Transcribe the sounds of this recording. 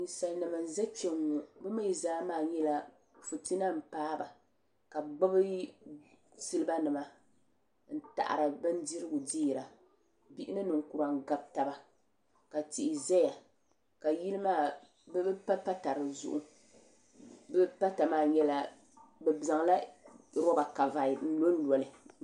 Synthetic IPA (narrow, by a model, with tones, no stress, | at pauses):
i˨sa˨lnɨ˨ma˨n̩˨za˦t͡ʃe˦ŋːu˨bɛ˦ma˦ji˨˦zaː˦maː˦˨ɲɛ˦la˦ | fu˨ti˦na˦m̩˨paː˦ba˨ | ka˨ɡ͡bo˦bɨ˦ | sɨ˦lɨ˦ba˦nɨ˨ma˨ | n̩˦˨ta̰˨ʔa̰˨ɾɨ˨bɨ˦n˦di˦ɾɨ˦ɡʊ˨di˦i˨ɾa˨ | bi˦ʔɪ˦nɨ˦nɨ˨ŋ˨ku˨ɾa˨ŋ˦˨ɡa˨b̚ta˦ba˨ | ka˨ti˨ʔɪ˨zɛ˦ja˨ | ka˨ji˦lɨ˦maː˦˨ | bɛ˦bɛ˦pa˦pa˦ta˨ɾɨ˨zʊ̰˦ʔʊ˦ | bɛ˦pa˦ta˨maː˦˨ɲɛ˦la˦ | bɛ˨za˨ŋ˦la˦ɾɔ˦ba˨ka˨va˨n̩˦lo˦n̩˦lɔ˨lɨ˨